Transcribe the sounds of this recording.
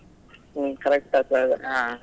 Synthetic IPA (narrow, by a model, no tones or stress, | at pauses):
kɐɾɛk̚ʈakaa